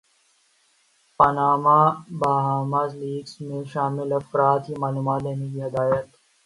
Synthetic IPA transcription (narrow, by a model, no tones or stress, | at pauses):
pɐnaːmabaːɦaːmazliːɡsmẽʃaːmɪlɐfɾaːt̪ɦimaːluːmaːt̪leːnek̬iɦɪd̪aːjət̪